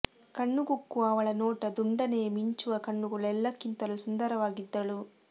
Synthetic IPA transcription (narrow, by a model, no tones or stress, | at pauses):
kɐɳːuɡukːuɐʋɐɭɐnɔːʈɐd̪uɳɖɐne̞ːmiɲt͡ʃuʋɐkɐɳːuɡuɭɛlːɐkːint̪ɐlusund̪ɐɾɐʋaːɡid̪ːɐɭu